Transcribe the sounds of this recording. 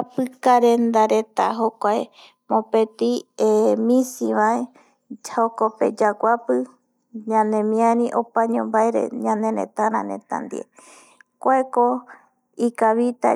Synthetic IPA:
apɨkaɾend̪aɾet̪a̰ɦokʷae | mõpet̪iemĩsiβae | d͡ʒaokopḛd͡ʒaɡʷapɨ | ɲãnẽmĩãnĩʔopaɲõmbaeɾḛɲãnẽɾḛt̪aɾã̰nḛ̃t̪a̰nd̪ḭḛ | kʷoeko | ikaβit̪a̰

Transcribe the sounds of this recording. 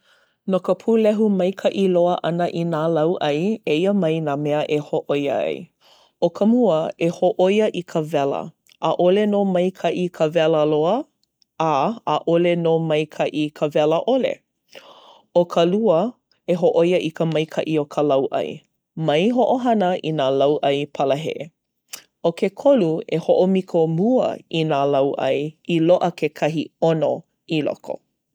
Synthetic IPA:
nokəpʰulɛɦumɐjkʰɐʔiloəʔɐnəʔinaːlɐwʔɐjeiəmɐjnaːmɛəʔehoʔojə̰ɐ̰j | okʰəmuəehoʔojəʔikʰəvɛlə̰ | ʔaʔolenomɐjkʰɐʔikʰəvɛləloə | aːʔolenomɐjkʰɐʔikʰəvɛləʔolḛ | okʰɐluə | eɦoʔojəʔikəmɐjkʰɐʔiokʰəlɐwʔɐ̰j | mɐjɦoʔoɦɐnəʔinaːlɐwʔɐjpʰɐləɦḛʔe | okʰekʰoluehoʔomikʰomuə̰inaːlɐwʔɐ̰jiloʔəkʰekʰɐɦiono | ilo̰kʰo̰

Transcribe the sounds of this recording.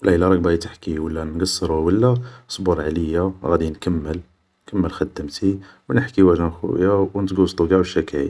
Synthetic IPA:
wlʔæilæɾˤɑk̚bæjit̪əħkiwəlːænɡɑsˤːəɾuwəlːæsˤbuɾˤʕaləjːaɣæd̪inkəmːəl | kəmːəlxəd̪ːəmt̪iwnəħkiwæʒænxṵjawnət̪ɡust̪ˤuɡæwʃːækæ̰

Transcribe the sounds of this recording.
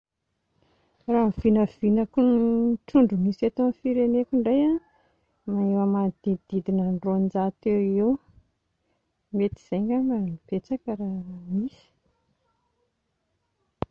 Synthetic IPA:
raɦv̥inəv̥inakunʈ͡ʂuɳɖ͡ʐumisat̪onfiɾenekʲuɳɖ͡ʐaja | maewamad̪̥id̪̥id̪inaɳɖ͡ʐoand͡ʒat̪ewew | met̪iz̥ejŋɡamɡanib̥et͡sakəɾamisi̥

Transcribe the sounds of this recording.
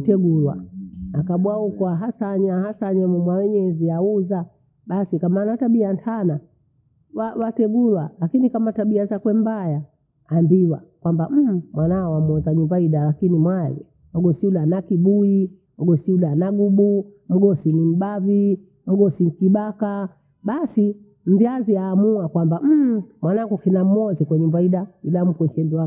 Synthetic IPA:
tɛɡulwa̰nakaɓwaukwaɦasaːɲahasaːɲɛmɔmwawɛɲɛziauza | ɓasikamanataɓiantʰana | wawatɛɡulwalakinikamataɓiazakwɛmbajaː | mbiwa̰kwambam̩mwanaɔwamɔzaɲumbaiɗalakinimwalɛ̰ | m̩ɡɔsiulanakiɓui | m̩ɡɔsiulanaɡuɓum̩ɡɔsinim̩ɓavi | m̩ɡɔsin̩kiɓaka | ɓasi | m̩viaziaːmuakwambam̩mwanaŋɡukinam̩mɔzikwaɲumbaiɗailam̩kwɛt͡ʃɛndua

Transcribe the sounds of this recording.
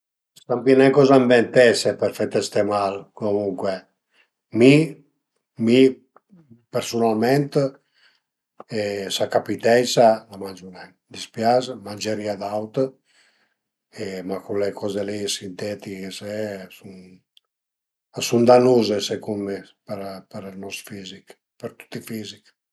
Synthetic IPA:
st̪ampinɛŋkɔzaɱbɛnt̪ɛsepɛɾfɛt̪ɛst̪emalkomuŋkwe | mi | mi | peɾsunalmɛnt̪ | ɛsakapit̪ɛjsalamand͡ʒunɛn | d̪ispjazmanʲd͡ʒeɾiad̪awt̪ | emakulekʰɔzelisint̪ɛt̪ikesesun | asund̪anuzesekumepeɾpeɾnɔsfizik | peɾt̪u̥t̪ːifizik

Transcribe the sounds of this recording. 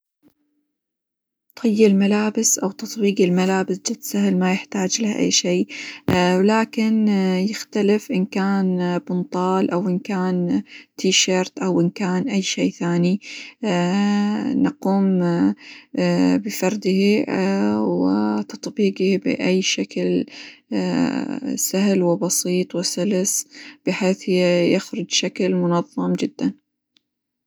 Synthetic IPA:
t̪ʰʊjːɪlmalaːbɪsʔawt̪ɑt̪ˤbiːɡɪlmalaːbɪsd͡ʒɪt̪sahɪlmajɪħt̪aːd͡ʒlahaʔa̰jːʃeː | laːkɪnjɪxt̪alɪfʔɪnkaːnbʊnt̪ˤɑːlʔawʔɪnkaːnt̪ʰiːʃɑːɾt̪ʔawʔɪnkaːnʔajːʃeːθaːni | nɑquːm | bɪfɑɾˤd̪ɪhi | wɪt̪ɑt̪ˤbiːɡibɪ̰ʔajːʃakl | saɦlwɪbɑsiːt̪ˤwɪsʊlsb̥ɪħeːθjaxɾʊd͡ʒʃaklmʊnɑðˤːɑmd͡ʒɪd̪ːan

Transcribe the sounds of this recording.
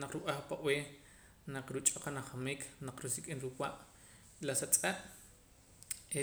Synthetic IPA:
naqɾuɓaχpaʔweː | naq͡χɾut͡ʃʼoqanaχamiːkʰnaq͡χɾusikʼinɾuwaʔ | lasat͡sʼaʔ | e

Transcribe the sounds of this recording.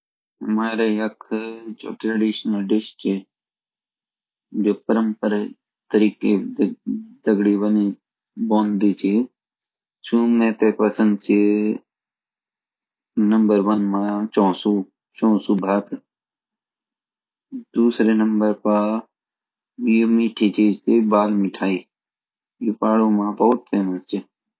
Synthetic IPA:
ɦɐmaːɾejɐkʰd͡ʒo̰ːʈɾɐɖiːʃnəlɖɪʃt͡ʃʰe | d͡ʒoːpəɾə̃mpəɾa | t̪əɾiːke | d̪ɐɡɽibəni | bɔ̃ːnd̪it͡ʃʰi | sũmẽːt̪epɐsə̃nd̪̚t͡ʃʰi | nɐmbəɾʋənmat͡ʃɔ̃ːsu | t͡ʃɔ̃ːsubʱaːt̪ | d̪uːsɾenəmbəɾpaː | ijomiːʈʰit͡ʃeːd͡ʒt̪ebaːlmiʈʰaːi | jipaːɽomãːbɐɦʊt̪̚pʰeːməst͡ʃe

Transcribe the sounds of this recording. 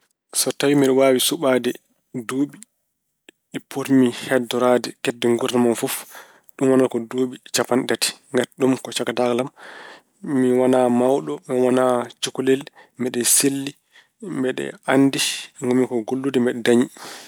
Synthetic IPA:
sɔtawimiɗɛwaːwisuɓaːdɛ | doːɓi | ɛpʰoɾmihɛdɔɾadɛkɛdːɛŋɡuɾnamanfɔf | ɗumwanakɔdoːɓit͡ʃapanɗati̥ŋɡaɗumkɔt͡ʃakataklam | miwanamawɗɔmɛwanat͡ʃukulɛlmɛɗɛselːi | mbɛɗɛ̰anːdiŋɡɔmikɔɡolːudimbɛɗɛdaɲi

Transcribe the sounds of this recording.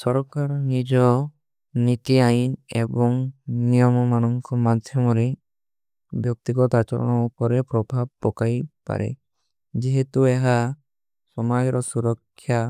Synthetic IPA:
sɔɾɔkaɾɔnid͡ʒɔ | nit̪iainebɔŋnijɔmɔmanɔŋkʰɔmad̪ʱjɔmɔɾi | bjɔk̚t̪iɡɔt̪at͡ʃɔ̰ɾɔ̰ɽ̃ɔupɔɾepɾɔbʱab̚ːɔkajpa̰ɾḛ | d͡ʒiɦet̪ueɦa | sɔmajɔɾɔsuɾɔkʰːja

